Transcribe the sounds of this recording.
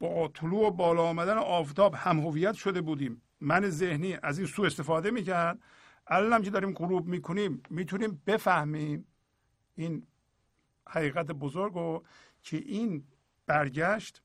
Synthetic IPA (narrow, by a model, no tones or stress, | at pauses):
b̥ɒt̪ʰoluːobɒːlɒːmæd̪æneʔɒːft̪ʰɒːbhæmɦovijæt̪ʃod̪e̞buːd̪iːmː | ænezehniːʔæziːnsuːe̞st̪efɒːd̪emiːcʰæɾd̪̚ | ʔælænæmcʰeɒːɾiːmɢoɾuːbmiːkʰoniːmːiːt̪ʰuniːmbe̞fæhmiːm | iːn | hæɣiːɣæt̪̬ʰebozoɾɡɾo | cʰeʔiːn | b̥æɾɟæʃt̪